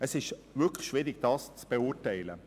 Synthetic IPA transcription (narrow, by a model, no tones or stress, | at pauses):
əsɪʃvɪkʰləʃʋ̥ɪːɾɪɡ̥d̥ɑːst͡sb̥eʊːtæɪlə̰